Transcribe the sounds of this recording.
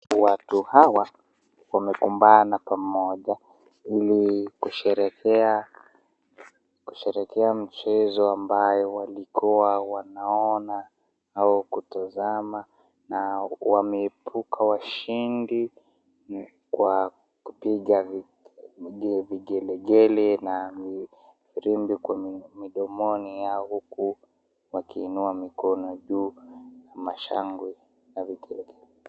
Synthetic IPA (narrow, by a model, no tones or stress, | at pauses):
watuhawa | wamɛkumbanapamɔʄa | ilikuʃɛɾɛkɛa | kuʃɛɾɛkɛam̩t͡ʃɛzɔambajɔwalikʰuwawanaɔna | aukutazama | nawamɛːpʰukʰawaʃindi | kwa | kupiɠav | ɛviɡɛlɛɡɛlɛna | viɾimbikwamiɗɔmɔnijaɔhuku | wakiːnuamikɔnɔʄuːnamaʃa̰ŋɡwi | navikɛlɛɡɛlɛ